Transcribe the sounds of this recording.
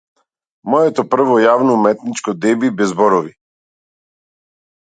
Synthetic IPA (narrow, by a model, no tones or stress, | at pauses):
mɔjɛt̪ɔpr̩vɔjavnɔumɛt̪nit͡ʃkɔd̪ɛbibɛzbɔɾɔvi